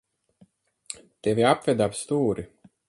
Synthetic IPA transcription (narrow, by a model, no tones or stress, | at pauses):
t̪ɛvʲiapvɛd̪apst̪uːɾi